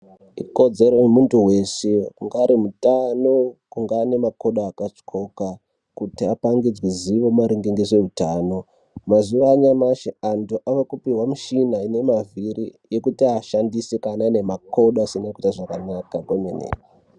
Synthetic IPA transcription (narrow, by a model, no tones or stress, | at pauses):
iko̞d͡ze̞ɾoemuntuwe̞seuŋɡaːɾimutanokuŋɡaːne̞mako̞ɗaːkat͡ʂkʰo̞ka | kutiapaŋɡid͡zwiziʋo̞maɾiŋɡeŋɡeʐe̞utaːno̞ | mazuʋaːɲamaʃeantuʔaʋakupiɦwamuʃinaine̞maviɾijekutiaʃandisekanane̞mako̞ɗasinakutaʐakanakakomenḛi